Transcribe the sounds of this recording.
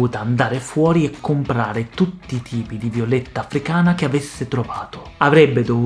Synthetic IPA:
uːt̪aand̪aːɾefwɔːɾiɛkːompɾaːɾet̪ut̪ːiːt̪ʰiːpid̪ivjolɛt̪ːaːfɾikaːnakeavesːet̪ɾovaːt̪o̥avɾɛbːed̪o

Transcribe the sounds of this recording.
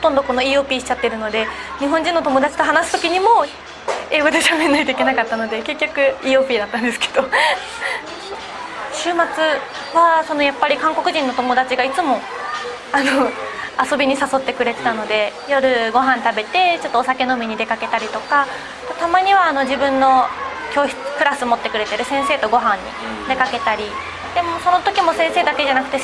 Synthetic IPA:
hot̪õno̞ko̞no̞iːo̞ːpʲiːɕi̥t͡ɕat̪ːe̞ɾɯ̟no̞d̪e̞ɲ̟iɦõɲ̟d͡ʑĩnːo̞t̪o̞mo̞d̪at͡ɕi̥t̪o̞ɦanasɨ̥t̪o̞kʲiɲ̟imo̞ | e̞ːɡo̞d̪e̞ɕamenːait̪o̞ikenakat̪ːano̞d̪e̞ke̞kʲːokɯ̟iːo̞ːpʲiːd̪at̪ːãnd̪esɨ̥kʰe̞̥d̪̥o̞ | ɕɨːmat͡sɨ | βaso̞no̞japːaɾʲikãŋko̞kɯ̟ʑĩnːo̞t̪o̞mo̞d̪at͡ɕiɡait͡sɨmo̞ | anoaso̞bʲiɲ̟isaso̞t̪ːe̞kɯ̟ɾe̞t̪e̥t̪ano̞d̪e̞jo̞ɾɯ̟ɡo̞ɦãnt̪abe̞t̪e̞t͡ɕo̞t̪ːoːsake̞no̞mʲiɲ̟id̪e̞kake̞t̪aɾʲit̪o̞ka | t̪ot̪amaɲ̟iβaːno̞d͡ʑibɯ̟̃nːo̞ | kʲo̞ːç̥t͡sɨ̥kɯ̟ɾasɨmo̞t̪ːe̞kɯ̟ɾe̞t̪e̞ɾɯ̟sẽ̞se̞ːt̪o̞ɡo̞ɦãɲ̟ːḭ | d̪e̞kake̞t̪aɾʲi | d̪̥e̞mo̞so̞no̞t̪o̞kʲimo̞sẽseːd̪ake̞ʑanakɯ̟t̪e̞

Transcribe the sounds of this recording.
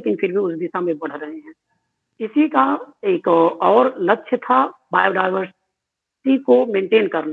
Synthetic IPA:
eːkɪnpʰɪɾbʱiʊsd̪ɪsamẽbɐɽ̤ɾɐɦeɦɛ̃ː | ɪsikaeːkɔːɾlɐkːʃʰət̪ʰabaːjoɖaːɪʋəɾs | sikomẽːɳʈeːnkɐɾna

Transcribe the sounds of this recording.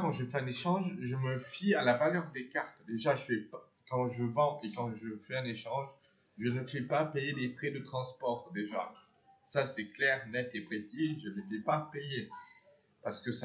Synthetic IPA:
kɑ̃ʒəfɛɛ̃neʃɑ̃ʒʒəməfialavalœʁd̪ekaʁt̪d̪eʒaʒəfɛp | kɑ̃ʒəvɑ̃ʔekɑ̃ʒəfɛɛ̃neʃɑ̃ʒ | ʒənəfɛpapejed̪efχɛd̪ət̪χɑ̃spɔʁd̪eʒa | sasɛklɛʁnɛt̪epχesiʒəlefɛpapeje | paʁsə̥kəs

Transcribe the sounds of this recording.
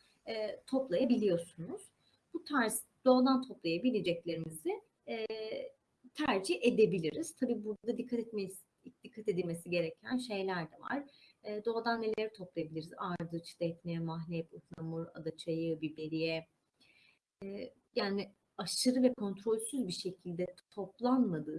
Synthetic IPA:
ɛːt̪ʰo̞plˠajabilʲijo̞ɾsunuz̥ | but̪ʰaɾz | d̪̥o̞ad̪ant̪ʰo̞plˠajabilʲed͡ʒɛclʲe̞ɾimizɪ | ɛː | t̪ʰæɾd͡ʒiçe̞d̪e̞bilʲiɾiz̥t̪ʰabiːbuɾd̪ad̪ad̪ikʰːat̪ | d̪̥ikʰːat̪e̞d̪ilʲme̞siɟe̞ɾecʰænʃe̞jlʲæɾd̪ɛva̰ɾ̥ɛːd̪o̞ad̪anːe̞lʲeɾit̪ʰo̞plˠajabilʲiɾizaɾd̪ɯt͡ʃʰd̪ɛt̪mɛmaɦlʲɛpɯk̪nˠamɯɾa̰d̪at͡ʃʰajɯbibe̞ɾijɛ | ɛː | jaːni | aʃɯɾɯvɛkʰo̞nt̪ʰɾo̞lʲsyzbiʃe̞cʰilʲd̪ɛt̪ʰo̞plˠanmad̪ɯː

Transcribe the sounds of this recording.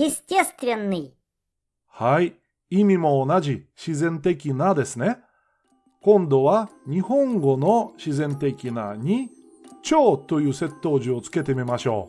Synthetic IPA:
jistʲest̪vʲenːɨj | hai | imʲimo̞ːnaʑiɕizẽ̞nt̪e̞kʲinad̪e̞sɨne̞ | kõ̞nd̪o̞βaɲ̟ihõ̞ŋɡo̞no̞ɕizẽ̞nt̪e̞kʲina̰ɲ̟i | t͡ɕo̞ːt̪ːo̞jɯ̟ːse̞t̪ːo̞ːʑio̞t͡sɨ̥ke̞t̪e̞mʲimaɕo̞̰ː

